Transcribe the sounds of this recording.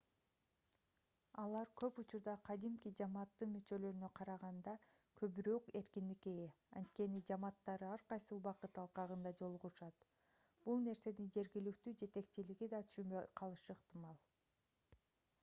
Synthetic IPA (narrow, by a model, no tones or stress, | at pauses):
ɑlˠɑɾkʰø̞put͡ʃuɾd̪ɑqʰɑd̪imkid͡ʒɑmɑːt̪ːɯnmyt͡ʃø̞lø̞ɾynøqʰɑɾɑʁɑnd̪ɑkʰø̞βyɾøkeɾkʲind̪ike | ɑ̰nt̪̚ke̞nid͡ʒɑmɑt̪ːɑɾɯɑɾqɑjsuubɑqɯt̪ɑlˠqɑʁɯnd̪ɑd͡ʒo̞lˠuʁuʃɑt̪ | b̥ulˠne̞ɾse̞nind͡ʒe̞ɾɡilykt̪yːd͡ʒe̞t̪e̞k̚t͡ʃiliɡid̪ɑt̪ʰy̥ʃymbøjqʰɑlˠɯʃɯːqt̪ɨmɑlˠ